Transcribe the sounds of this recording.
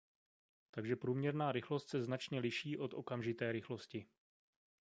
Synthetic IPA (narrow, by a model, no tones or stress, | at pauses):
t̪aɡʒɛpɾuːmɲɛɾnaːɾɪxlo̞st̪sɛznat͡ʃɲɛlɪʃiːʔo̞t̪ʔo̞kamʒɪt̪ɛːɾɪxlo̞scɪ